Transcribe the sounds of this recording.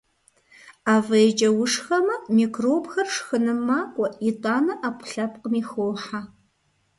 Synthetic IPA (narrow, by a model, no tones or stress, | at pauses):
aːvɐjd͡ʒʼɐwʊʂxɐmɐmiːkroːbxɐrʂxɨnɨmːaːkʷʼɔʔitʼaːnɐʔaːpʷʰʊ̥ɬɐp̚ʼqmiːxoːħa